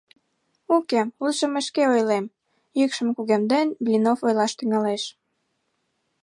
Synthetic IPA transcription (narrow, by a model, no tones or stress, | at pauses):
ukemulʒəməʃkeojlem | jykʃəmkuɣemd̪enblʲinofojlɑʃt̪yŋɑleʃ